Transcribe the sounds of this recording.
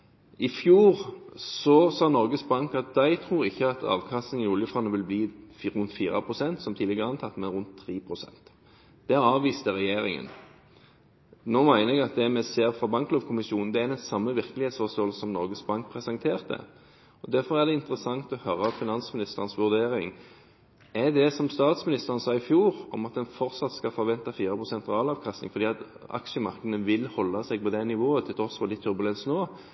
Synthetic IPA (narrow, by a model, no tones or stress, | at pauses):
ɪfjuːɾsɔsɑːnɔɾɡəsbɑŋkɑt̪̚d̪æɪt̪ʰɾuːɾɪçːəɑt̪ʰɑ̰ːʋkʰɑst̪ɪnɪʊljəfʁɑnəʋɪlbliːɾʉnt̪fiːʁɑ̰pʰʁʊsɛnt̪sɔmt̪ʰiːlɪɡəʁəɑnt̪ʰɑt̪ːmɛnʁʉnt̪ʰːɾiːpʰʁʊsɛ̰nt̪ | d̪̥ɛɑɾɑːʋiːst̪əʁɛjeːɾɪŋə̰n | noːmæɪnəɛɡɑt̪̚d̪ɛmɛseːɾfʁɑbɑŋkloːʋkʰʊmɪsuːnn̩d̪ɛæɾd̪ɛnsɑmːəʋɪʁkəlɪheːt̪sfɔʁst̪oːlsəsɔmnɔɾɡəsbɑŋk̚pʰɾɛsɑŋt̪ʰeːʁt̪ə̰ | ɔd̪æɾfɔʁæʁd̪ɛɪnt̪əʁəsɑŋt̪ɔhøːɾəɔfɪnɑnsmɪnɪst̪əʁnsʋʉʁd̪eːɾɪŋ | ɛd̪ɛsɔmst̪ɑːt̪smɪnɪst̪əʁənsɑːɪfjuːɾɔmɑt̪̚d̪ɛnfɔɾt̪sɑt̪skɑfɔɾʋɛnt̪ɑfiːɾəpʰʁʊsɛnt̪ʁɑːlɑːʋkʰɑst̪ɪ̰ŋfɔɾd̪iːɑt̪ | ɑ̰kʃəmɑʁkəd̪ən̩ʋɪlhɔlːɑsɛɡ̚pɔd̪ɛnɪʋoːət̪ʰɪlt̪ʰʁɔsɔlɪt̪ʰːʏɾbʉlɛnsnoː